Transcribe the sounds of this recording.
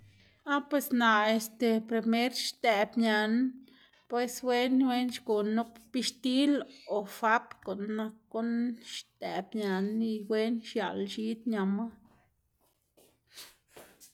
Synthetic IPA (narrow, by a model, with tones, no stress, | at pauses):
a˦pwe˧sna˨e˧st̪e˧pɾe˧me˦ɾʃt̪ɛ˨bɲa˧n | pwe˧swe˦nwe˦nʃɡu˨nu˦ppi˧ʃt̪i˦lo˨fa˦pko˨nːa˧kːu˦nʃt̪ɛ˨bɲa˧ni˧we˦nʃja̰˨lʃi˦d̪ɲa˨ma˦